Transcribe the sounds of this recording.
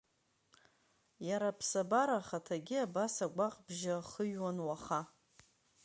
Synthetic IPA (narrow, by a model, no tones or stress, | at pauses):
jaɾapʰsabaɾaχatʰaɡʲɪabasaɡʷaqʼbʒaχəɥwanwaχa